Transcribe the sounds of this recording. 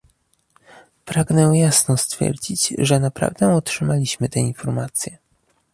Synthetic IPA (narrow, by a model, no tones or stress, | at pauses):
pɾaɡnɛjasnɔst̪fʲjɛ̰ɾd͡ʑid͡ʑʐɛnapɾa̰vd̪ɛɔtʂɘmalʲiɕmɘt̪ɛinfɔɾmat̪sʲjɛ